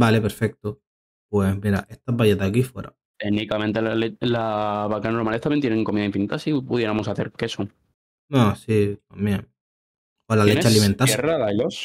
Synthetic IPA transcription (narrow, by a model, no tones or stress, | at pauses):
bale̞pe̞ɾfe̞k̚t̪o | pwe̞smiɾa̰ʔe̞ht̪abaʝeðakifwḛɾa̰ | t̪enikamẽnt̪elalelaβakanoɾmalest̪amjent̪jenẽŋko̞miðaiɱfinit̪asipuðje̞ɾamosaθe̞̰ɾkesoŋ | nõsit̪ambje̞ŋ | olalet͡ʃallimẽnt̪aeraðalos